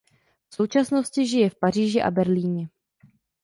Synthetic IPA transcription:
fso̞wt͡ʃasno̞scɪʒɪjɛfpar̝iːʒɪʔa̰bɛɾliːɲɛ

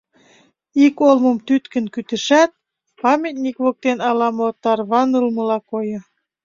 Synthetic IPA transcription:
ikolmŏmt̪yt̪kə̆nkyt̪ə̆ʃæt̪̚ | pɑmʲit̪̚nʲikβok̚t̪enɑlɑmot̪ɑrβɑnɯlmə̆lɑkojɤ̆

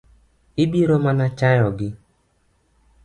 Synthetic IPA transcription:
ibiɾɔmanat͡ʃajɔɡɪ

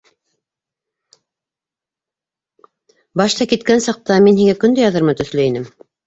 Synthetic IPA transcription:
bɑʃt̪ɑkit̪kænsɑq̚t̪ɑminhiŋækɵ̆nd̪æjɑðɤɾmɑt̪ɵ̆θlɵinɘm

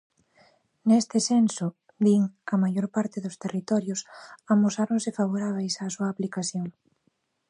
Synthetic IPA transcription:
nest̪ɪsensʊ | b̪iŋɐmajoɾpaɾt̪ɪðʊst̪erit̪ɔɾjʊsamosaɾoŋsɪfaβ̞oɾaβ̞ejsaːsuɐːplikaθjoŋ

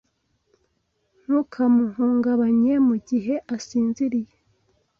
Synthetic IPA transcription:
n̥ukʰamuɦuːŋɡaβaɲe̞muɟiɦe̞ʔasiːnziɾije

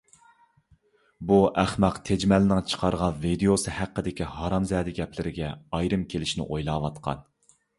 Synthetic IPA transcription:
buʔæχmɛqt̪ʰed͡ʒmɛlɪnɪŋt͡ʃʰə̥qʰɑɾʁɑnvid̪eosɨhæqːəd̪ɪkʲiɦɑɾɑmzɛːd̪ɪɡʲɛplɪɾɪɡʲɛɑjɾɨmkʲʰelɪʃnɪ̰ʔojlˠɑːwɑt̪qʰɑ̰n

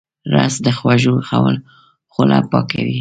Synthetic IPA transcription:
ɾasd̪əxwaʒoxawəl | xʊlapɑkawi

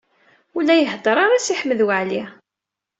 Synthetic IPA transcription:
ulːæjəɦd̪ˤəɾˤaɾˤasiħmːəðwəʕli

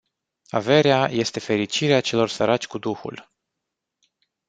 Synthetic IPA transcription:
a̰ve̞ɾeaje̞st̪e̞fe̞ɾit͡ʃiɾeat͡ʃe̞lo̞rsəɾat͡ʃʲkud̪uxṵl

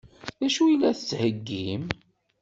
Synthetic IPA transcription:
ðæʃuilːæθət͡sːhəɡːim

